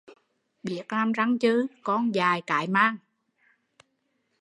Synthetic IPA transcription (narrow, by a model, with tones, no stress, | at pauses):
ɓi˨˩ək̚laː˧mza˧ŋt͡ɕɨ˧˦kɔ˧nzaː˨˩jka̰ː˨˩jmaː˧ŋ